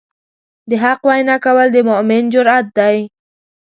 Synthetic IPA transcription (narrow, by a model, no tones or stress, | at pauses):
d̪əɦaqwajnakawəld̪əmʊmɪnd͡ʒʊɾat̪̚d̪aj